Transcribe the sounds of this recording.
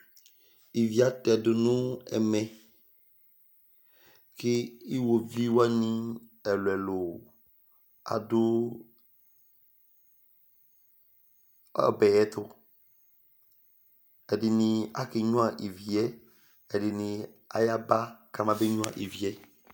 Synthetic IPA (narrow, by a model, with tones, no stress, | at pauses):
i˨vi˨a˦t̪ɛ˨dʊ˨nʊ̃˦ɛ̰˨mɛ̃˨ | kɪ˦i˦wo˨vi˦wa˦nĩ˦ɛ˨lʊ˨ɛ˨lʊ˨ | a̰˨dʊ˦˨ | bɛ˨ɛ˦t̪ʊ˦ | ɛ˨dɪ˨nɪ̃˨a˦kɪ˨ɲũ˦a˦˨ʔi˨vi˨ɛ˦ | ɛ˨dɪ˨nɪ̃˨ | a̰˨ja˦ba˦ka˨mã˨be˦ɲũ˦ã̰˨ʔi˨vi˨ɛ˦